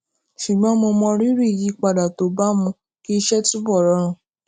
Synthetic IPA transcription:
ʃu˨ɡ͡bɔ̃˨˦mo˧mɔ̃˧ɾi˦ɾi˦˨ji˨˦k͡pa˧da˨to˨˦ba˦mũ˧ | ki˦˧ʃɛ˦tu˦bɔ˦˨ɾɔ˨˦ɾ̃ũ˧˨

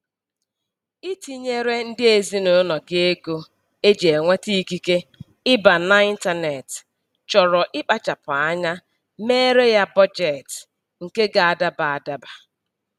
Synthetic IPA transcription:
i˦ti˦ɲe˦ɾe˦n̩˦dɪ˦e˨zi˦no˦nɔ˨ɡɪ˦e˦ɡo˦ | e˦d͡ʒe˨e˨ŋʷe˦ti˦i˦ki˦ke˦ | ɪ˦ba˨na˨i˦n̩˦ta˦ne˨t | t͡ʃɔ˨ɾɔ˨ʔɪ˦k͡pa˦t͡ʃa˨pɔ˨a˦ɲa˦ | meː˦ɾe˦ja˦bɔ˦d͡ʒe˨t | ŋ̩˨ke˦ɡa˨a˨da˦ba˨a˨da˦ba˨

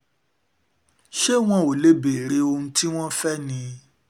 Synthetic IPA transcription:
ʃe˦w̃ɔ̃˧o˨le˦be˨ɾe˨˦o˧ũ˦tʰi˦w̃ɔ̃˦fɛ˦nĩ˧

